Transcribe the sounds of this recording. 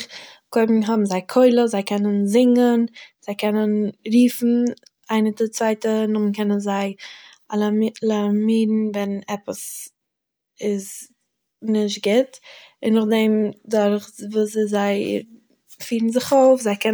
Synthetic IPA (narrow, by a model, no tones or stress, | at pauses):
kɔɪbm̩ɦɔbm̩zaɪkʰɔɪlˠəzaɪkʰɛnənzɪŋənz̥aɪkɛnənɾiːfn̩ | aɪnətɪt͡svaɪtənʊmnkɛnənzaɪ | alˠalˠamiːdn̩vɛnɛpəs | ɪz | nɪʃt̚ɡɪtɪnːʊχdɛmdaɾχvuːszaɪ | fiːɾn̩zɪχoʊfzaɪkɛ